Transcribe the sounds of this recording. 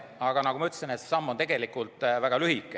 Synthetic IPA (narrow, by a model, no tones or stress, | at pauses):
ɑɡ̥ɑnɑkumɑyt̪ːsinet̪se̥sɑmːont̪eɡe̞likːˑult̪væɡ̥ɑlyhikːˑe